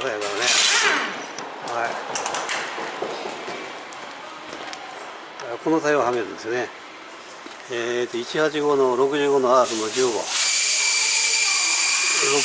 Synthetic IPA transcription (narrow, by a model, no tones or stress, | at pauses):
soaaɾane | hai | konot̪aiohameɾɯ̟̃nd̪e̞sɨjone | et̪ːoit͡ɕihat͡ɕiɡo̞noɾo̞kɯ̟ʑɨːɡonoasonod͡ʑɨːɡo̰ | ɾo